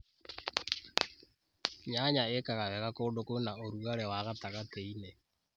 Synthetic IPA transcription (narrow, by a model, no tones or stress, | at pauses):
ɲaɲaekaɣaβɛɣakoːdokonaoɾuɣaɾɛwaɣataɣateine